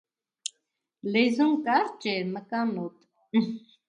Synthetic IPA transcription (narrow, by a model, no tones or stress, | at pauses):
lɛzuŋkaɾt͡ʃɛɾməkanɔt̪